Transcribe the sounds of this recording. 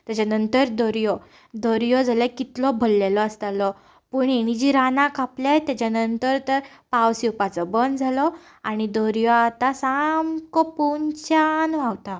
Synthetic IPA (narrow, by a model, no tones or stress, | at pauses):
t̪jat͡ɕanənt̪əɾd̪ɔɾjɔ | d̪ɔɾjɔd͡zaljakit̪lɔbʱəlːelɔst̪alɔ | pəːɳeɽ̃id͡ʑiɾanãkapljajt̪jat͡ɕanənt̪əɾt̪əɾ | pawsiwpat͡sɔbənd̪d͡zʱalɔ | aɽ̃id̪ɔɾjɔat̪asamkɔpuɲt͡ɕanʋawt̪a